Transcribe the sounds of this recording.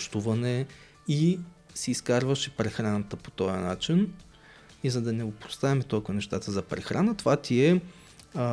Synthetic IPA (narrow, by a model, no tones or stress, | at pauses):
ʃt̪uvɐnɛ | i | siːskaɾvəʃɛpɾɛxɾanət̪əpo̥t̪ɔjəna̰t͡ʃin | izɐd̪ɐnɛopɾo̥st̪aɛmɛt̪ɔkvənɛʃt̪at̪əzɐpɾɛxɾanət̪ovat̪iɛ